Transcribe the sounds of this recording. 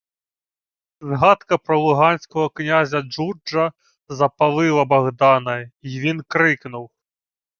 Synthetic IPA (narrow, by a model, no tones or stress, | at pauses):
zɣat̪kɐpɾɐlˠuɣanʲsʲkɐɣɐknʲazʲɐd͡ʐuɐ | zɐpalˠɨlˠɐbaɣd̪anɐvʲinkɾɨknuw